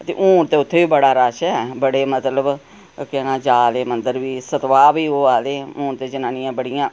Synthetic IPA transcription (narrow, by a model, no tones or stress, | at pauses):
t̪ḛːʔũːɳt̪eːʊt̪ʰːeːʋiːbəɽaːɾaːʃɛbəɽeːmət̪ləb | kɛːnãːd͡ʒaːleːmənd̪əɾʋiːsət̪ʋaːʋiːoːaːleːũːɳt̪eːd͡ʒənãːnɪjãːbəɽɪjãː